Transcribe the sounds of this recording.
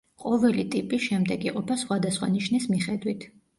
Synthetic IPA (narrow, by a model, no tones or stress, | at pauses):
qʼɔvɛlit̪ʼipʼiʃɛmd̪ɛɡiqʼɔpʰasχwad̪asχwa̰niʃnismiχɛd̪wit̪ʰ